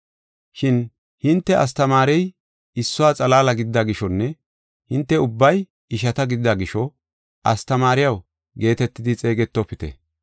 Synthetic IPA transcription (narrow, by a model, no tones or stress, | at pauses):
ʃɪn | hɪnt̪ːɛɐ̰st̪ɐmaːɾɛj | ɪsːʊwaːt͡sʼɐlaːlɐɡɪd̪ɪd̪aɡɪʃɔnːɛ | hɪnt̪ːɛʊbːɐj | ɪʃɐt̪ɐɡɪd̪ɪd̪aɡɪʃɔ | ʔɐ̰st̪ɐmaːɾɪjɐw | ɡe̞ːt̪ɛt̪ːɪd̪ɪt͡sʼe̞ːɡɛt̪ːɔpːɪt̪ɛ̰